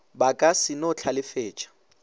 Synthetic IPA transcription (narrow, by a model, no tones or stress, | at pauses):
bakʼasɪnot͡ɬʰalɪfeːt͡ʃʼḁ